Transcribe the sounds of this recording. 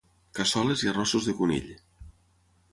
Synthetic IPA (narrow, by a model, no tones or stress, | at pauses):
kasɔleziarɔsuzðekunḭʎ